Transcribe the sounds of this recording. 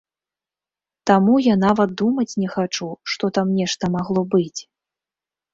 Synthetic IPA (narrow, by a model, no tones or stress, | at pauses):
t̪amujanavɐt̪̚d̪umɐt͡sʲnʲɛxat͡ʂuʂt̪ɔt̪amnʲɛʂt̪ɐmaɣlˠɔbɨt͡sʲ